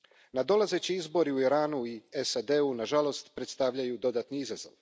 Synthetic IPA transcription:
nad̪o̞laze̞t͡ɕiizbo̞ɾiuiɾaːnuiesad̪e̞unaʒalo̞st̪pɾe̞t̪st̪aʋʎajud̪o̞d̪aːt̪niizazo̰ʋ

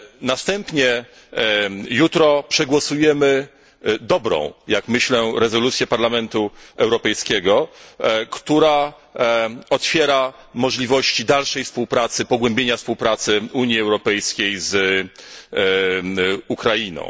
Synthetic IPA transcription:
nast̪ɛmpɲɛ | jut̪ɾɔpʂɛɡwɔsujɛmɘ | d̪ɔbɾɔ̰̃w̃jakmɘɕlɛɾɛzɔlut̪sʲjɛpaɾlamɛnt̪uɛwɾɔpɛjskʲɛɡɔ | kt̪uɾa | ɔt̪fʲjɛɾa | mɔʐlʲivɔɕt͡ɕid̪alʂɛjfspuwpɾat̪sɘpɔɡwɛmbʲjeɲafspuwpɾat̪sɘuɲjiɛwɾɔpɛjskʲejz | ukɾainɔ̰̃w̃

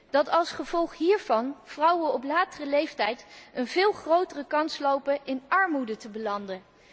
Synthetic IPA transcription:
d̥ɑtɑlˠsχəv̥ɔlˠχɦiːɹv̥ɑnv̥rʌwənɔplaːtərəlejftɛjtənvɪːlˠχrowtərəkɑnslowpəʔɪnɑɹmudətəbəlɑndə

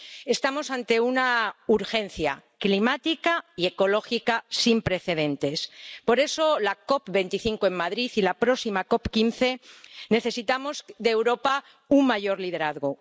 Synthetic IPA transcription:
e̞st̪amo̞sant̪e̞unauɾxe̞nθja̰klimat̪ikaie̞ko̞lo̞xikasimpɾe̞θe̞ðẽ̞nt̪e̞spo̞ɾe̞so̞lako̞pbe̞nt̪iθiŋkoe̞mmaðɾiθilapɾo̞simako̞pkinθe̞ne̞θe̞sit̪amo̞zd̪e̞ːwɾo̞pa | uŋmaʝo̞ɾlið̞e̞ɾaðɣo

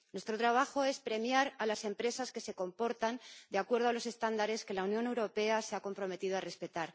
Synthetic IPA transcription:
nwe̞st̪ɾo̞t̪ɾaβ̞axo̞e̞spɾe̞mjaɾalase̞mpɾe̞saske̞se̞ko̞mpo̞ɾt̪and̪eakwe̞ɾð̞o̞alo̞se̞st̪and̪aɾe̞ske̞launjo̞ne̞wɾo̞pe̞ase̞ako̞mpɾo̞me̞t̪iðoare̞spe̞t̪aɾ

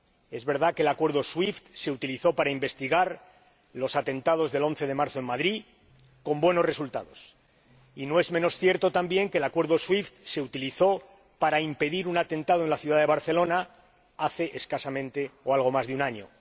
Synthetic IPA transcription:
e̞zβe̞ɾð̞akelakwe̞ɾð̞o̞swift̪se̞ut̪iliθo̞paɾaimbe̞st̪iɣ̞aɾ | lo̞sat̪ẽ̞nt̪að̞o̞zðe̞lo̞nθe̞ð̞e̞maɾθoe̞nmaðɾi | ko̞mbwe̞no̞sre̞sult̪a̰ð̞o̞s | ino̞e̞zmeno̞sθje̞ɾt̪o̞t̪ambje̞ŋkelakweɾðoswift̪se̞ut̪iliθo̞ | paɾaimpe̞ðiɾunat̪ẽ̞nt̪að̞oenlaθjuðaðe̞β̞aɾθe̞lo̞na | aθe̞ʔeskasamẽ̞nt̪e̞oalɣ̞o̞mazðeunaɲo̞̰

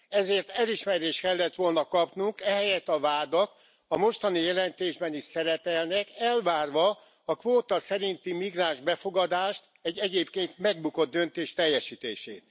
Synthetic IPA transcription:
ɛzeːrt̪ɛliʃmɛɾeːʃt̪kɛlːɛt̪ʋo̞lnɒkɒpnuŋkɛɦɛjɛt̪ɒvaːd̪ɒk | ɒmo̞ʃt̪ɒnijɛlɛnt̪eːʒbɛniʃsɛɾɛpɛlnɛkɛlvaːrʋɒ | ɒkʋoːt̪ɒsɛɾint̪imiɡraːnʒbɛfo̞ɡɒd̪aːʃt̪ | ɛɟːɛɟeːpkeːnt̪mɛɡ̚buko̞d̪̚ːø̞nt̪eːʃt̪ɛjːɛʃiːt̪ḛːʃḛːt̪

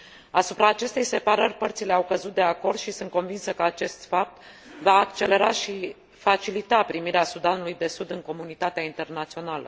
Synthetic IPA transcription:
asupɾaːt͡ʃe̞st̪e̞jse̞paɾərʲpərt̪sile̞awkəzut̪̚d̪e̞ako̞rd̪ʃisɨnt̪̚ko̞nvinsəkəat͡ʃe̞st̪fap̚t̪ | vaːkt͡ʃe̞le̞ɾaʃi | fat͡ʃilit̪apɾimiɾeasud̪anulujd̪e̞sud̪ɨŋko̞munit̪at̪eaint̪e̞rnat̪sio̞nalə̰

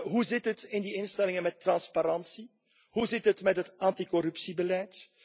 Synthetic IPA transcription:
ɦuzɪtɦətɪndiɪnstɛlɪŋənmɛtːrɑnspaɾɑnsi | ɦuzɪtɦətmɛtɦətɑntikɔɾɵpsibəlɛjt

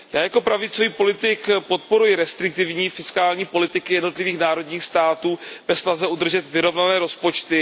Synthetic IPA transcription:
jaːjako̞pɾavɪt͡soviːpo̞lɪt̪ɪkpo̞t̪̚po̞ɾujɪɾɛst̪ɾɪk̚t̪ɪvɲiːfɪskaːlɲiːpo̞lɪt̪ɪkɪjɛdnot̪lɪviːxnaːɾo̞dɲiːxst̪aːt̪uːb̥ɛsnazɛʔud̪r̩ʒɛt̪vɪɾo̞vnanɛːɾo̞spo̞t͡ʃt̪ɪ

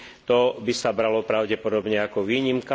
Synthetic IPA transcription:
t̪ɔbisabɾalɔpɾaʊɟɛpɔd̪ɔbɲɛakɔʋiːɲimka

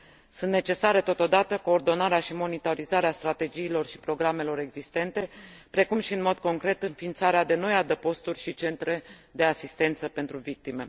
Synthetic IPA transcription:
sunt̪ne̞t͡ʃe̞saɾe̞t̪o̞t̪o̞d̪at̪əko̞ːrd̪o̞naɾeaʃimo̞nit̪oɾizaɾeast̪ɾat̪e̞d͡ʒiːlo̞rʃi̥pɾo̞ɡɾame̞lo̞ɾe̞ɡzist̪e̞nt̪e̞pɾe̞kumʃiɨnmo̞d̪ko̞ŋkɾe̞t̪ɨnfint̪saɾead̪e̞no̞jad̪əpo̞st̪urʲʃit͡ʃe̞nt̪ɾe̞d̪e̞asist̪e̞nt̪səpe̞nt̪ɾuvik̚t̪ime̞̰

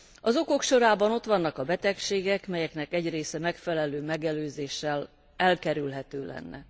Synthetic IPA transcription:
ɒzo̞ko̞kʃo̞ɾaːbɒno̞t̪ʋɒnːɒkɒbɛt̪ɛkʃeːɡɛkmɛjɛknɛkɛɟreːsɛmɛkfɛlɛløːmɛɡɛløːzeːʃːɛl | ɛlkɛɾylɦɛt̪øːlɛ̰nːɛ̰

